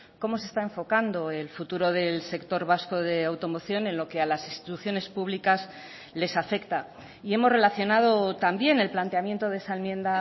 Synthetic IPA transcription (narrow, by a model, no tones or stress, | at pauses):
ko̞mo̞se̞st̪aeɱfo̞kand̪o̞e̞lfut̪uɾo̞ðe̞lse̞kt̪o̞ɾβasko̞ðe̞awt̪o̞mo̞θjo̞ne̞nlo̞ke̞alasinst̪i̥t̪uθjo̞ne̞spuβlikas | le̞safe̞kt̪a | ie̞mo̞zre̞laθjo̞nað̞o̞t̪ambje̞ne̞lplant̪e̞amje̞nt̪o̞ðesaenmjẽ̞nd̪a